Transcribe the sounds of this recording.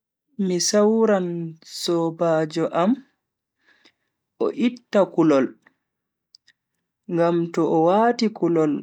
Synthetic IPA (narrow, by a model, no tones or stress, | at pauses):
misawɾansɔbad͡ʒɔʔam | ɔ̰ʔitːakulɔl | ŋɡamtɔʔɔwaːtikulɔl